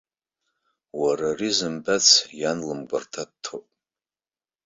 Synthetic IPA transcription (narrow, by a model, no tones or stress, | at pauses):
wararizɨmbat͡sʰjanlɨmɡʷartʰad̚tʰopʼ